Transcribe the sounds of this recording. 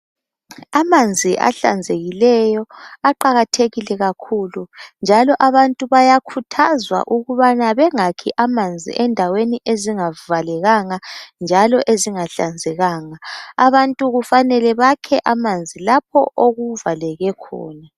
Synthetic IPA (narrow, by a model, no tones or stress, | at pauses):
amand͡zʱiʔa̰ɬa̰nd͡zʱeɣilɛjɔaǃaɣatʰeɣilɛɣakʰulund͡ʒʱalɔʔaβantʼuβajakʰutʰazwa̰ʔuɣuβanaβɛŋakʰiʔamand͡zʱḭʔɛndʱaweniʔeziŋavalɛɣaŋand͡ʒʱalɔʔeziŋaɬa̰nd͡zʱɛɣaːŋaːβantʼuɣufanɛlɛβakʰɛʔamand͡zʱilap̚ʰɔ̰ʔoɣuvalɛɣɛkʰɔ̰ːna